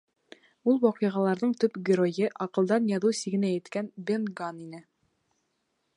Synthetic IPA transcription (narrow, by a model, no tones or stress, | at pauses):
ulˠwɒqɤ̆ʁɑlˠɑɾðɤɴt̪ɵpɡʲɪɾojɤʔɑqɤ̆lˠd̪ɑnjɑðusiɡɘ̆næjɘ̆t̪kænbenɡaninɘ